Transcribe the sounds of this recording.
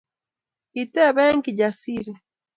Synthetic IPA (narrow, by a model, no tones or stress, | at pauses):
kiteβeŋkiɟasiɾe